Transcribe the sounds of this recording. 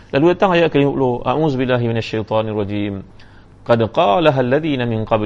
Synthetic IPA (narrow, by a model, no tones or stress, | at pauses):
lʔalwet̪aŋajaʔkaluʔloʔa̰ʔuːzʊbɪlːaːɦɪmɪnaʃːajt̪ˤɑːnɑrˤːɑd͡ʒiːm | qɑd̪qɑːlaɦalːaðiːnamɪnqɑb